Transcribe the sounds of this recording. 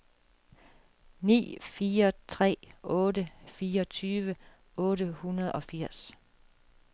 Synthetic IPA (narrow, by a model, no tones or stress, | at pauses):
nḭːfiːɐt͡sʰʁɛ̰ːɔ̽ːɾəfiːɐɒt͡sʰyːʋə | ɔ̽ːɾəhunɐð̞ˠɒ̽fiɐ̰s